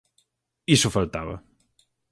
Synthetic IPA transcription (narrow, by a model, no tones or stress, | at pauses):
isʊfalˠt̪aβɐ̰